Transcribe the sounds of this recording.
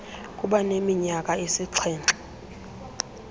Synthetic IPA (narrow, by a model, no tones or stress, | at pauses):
kʼuɓanemiɲakʼaisiǀʰɛːnǁʱʼḁ